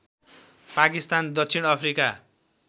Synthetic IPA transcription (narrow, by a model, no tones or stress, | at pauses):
pakist̪and̪ʌksʰinʌpʰrika